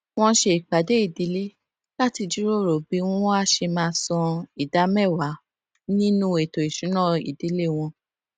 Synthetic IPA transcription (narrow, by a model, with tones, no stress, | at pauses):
w̃ɔ̃˦ʃe˧i˨k͡pa˨de˨˦i˦˨di˨˦le˦ | la˦ti˧d͡ʒu˦ɾo˦˨ɾo˨bi˨˦w̃ɔ̃˦ɔ̃˦a˦ʃe˧mãː˧sɔ̃˧i˨da˨˦mɛ˦˨wa˨˦ | nĩ˦nũ˦e˨to˨i˨ʃũ˨˦nɔ̃˦˨ḭ˨di˨˦le˦˨w̃ɔ̃˧